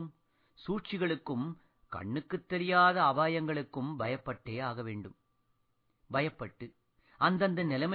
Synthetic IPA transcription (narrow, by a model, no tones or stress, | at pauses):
ɯm | suːʈt͡ʃɪɣɐɭɯkːɯm | kɐ̰ɳːɯkːɯt̪ːɛɾɪjaːðɐːʋaːjɐŋɡɐɭɯkːɯmbɐjɐpːɐʈːeːaːɣɐʋeːɳɖɯm | bɐjɐpːɐʈːɯ | ɐnd̪ɐnd̪ɐnɪlɐmɐ